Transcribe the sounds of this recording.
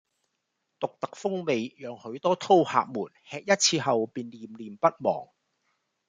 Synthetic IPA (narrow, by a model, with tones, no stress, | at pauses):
t̪ʊ˨k̚t̪ɐ˨k̚fʊ˥ŋme˨˧jjœː˨˧ŋhɵ˨˥ɥt̪ɔː˥t̪ʰo˥wha̰ː˨˧k̚muː˨˩nhɛː˧k̚jɐ˥t̚t͡sʰiː˧ɦɐ˨wpiː˨nliː˨mliː˨mpɐ˥t̚mɔ̰ː˨˩ŋ